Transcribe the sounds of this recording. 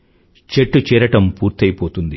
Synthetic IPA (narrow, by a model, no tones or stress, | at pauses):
t͡ʃeʈːut͡ʃɛːɾɐʈɐmpuːɾt̪ɐjipo̞ːt̪und̪i